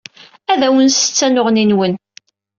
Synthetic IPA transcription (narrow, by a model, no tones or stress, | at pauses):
æðæwənsə̥t͡sːænʊʁninwən